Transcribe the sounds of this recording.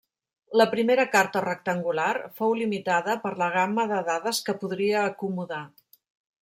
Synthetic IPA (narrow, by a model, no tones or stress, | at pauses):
ləpɾimeɾəkaɾt̪ərək̚t̪əŋɡularfowlimit̪aðəpəɾləɣ̞aməðəðaðəskəpuðɾiəːkumuða